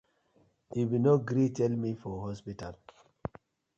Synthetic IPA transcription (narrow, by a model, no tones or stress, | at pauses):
iwinoɡɾitɛlmifɔɦɔspital